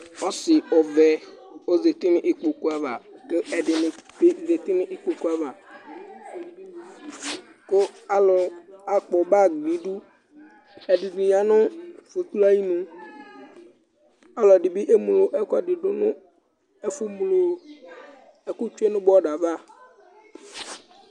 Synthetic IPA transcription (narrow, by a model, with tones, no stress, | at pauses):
ɔ˦sɪ˨ɔ˨vɛ˨o˦ze˨t̪i˦nɪ̃˦ʔɪ˦k͡po˨ku˦a˨va˨ke˦ɛ˨ɖɪ˨nʊ̃˨e˦ze˨t̪i˦nɪ˦ʔi˦k͡po˨ku˦a˨va˨ | ko˦a˨lɔ˨a˨k͡pɔ˨ba˦˨ɡ͡bĩ˨˦ɖu˦ | ɛ˨ɖi˨d̪i˨ɲ˨a˨nʊ̃˦fu˨t̪u˦la˦ji˦nũ˨ | a˦lɔ˨ɖi˨bi˦ʔe˦mu˨lo˨ʔe˦kɔ˨ɖɪ˨ɖo˨nʊ̃˦ | e˦fu˦m˨lo˨ | e˦ku˦t͡ʃe˦nʊ̃˦bɔ˦ɖa˨va˦